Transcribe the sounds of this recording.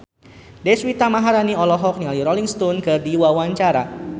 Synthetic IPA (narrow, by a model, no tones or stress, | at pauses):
dɛswit̪amaɦaɾaniɔlɔɦɔk̚nialiɾɔliŋst̪unkɨrdiwawaɲt͡ʃaɾa